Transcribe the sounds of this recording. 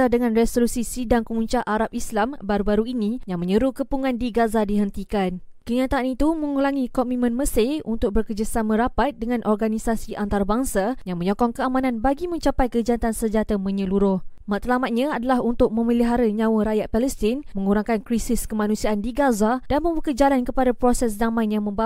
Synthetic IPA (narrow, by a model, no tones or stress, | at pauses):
adəŋãnrɛsolusisidaŋkəmuɲt͡ʃaʔaɾap̚islambaɾubaɾuinijaŋmə̃ɲəɾuhkəpuŋandiɡazadiɦənt̪ikan | kəɲat̪aʔanit̪umə̃ŋulaŋikɔmimə̃nməseunt̪ʊk̚bərkəd͡ʒasamə̃ɾapat̪̚dəŋãnʔɔrɡanisasiʔant̪aɾabaŋsajaŋmə̃ɲɔkɔŋkəamãnãnbaɡimə̃ɲt͡ʃapajkəd͡ʒant̪ansəɲd͡ʒat̪amə̃ɲəluɾʊhmat̪lamat̪̚ɲãadalahunt̪ʊk̚mə̃miliɦaɾəɲãwəɾajat̪̚paləst̪ɪnmə̃ŋuɾaŋkankɾisɪskəmanũsiaʔandiɡazad̥anmə̃mbəkəd͡ʒalankəpadapɾosɛsdamãjnjaŋmə̃mb